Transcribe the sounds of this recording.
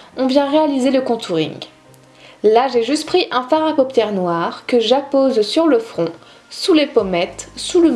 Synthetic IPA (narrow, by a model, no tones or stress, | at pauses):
ɔ̃vjɛ̃ʁealizeləkɔ̃t̪ʰuʁḭ̃ŋ | laʒeʒyst̪pχiʔɛ̃faʁapɔpjɛʁnwaʁkəʒapozsyʁləfχɔ̃ | sulepɔmɛt̪sulə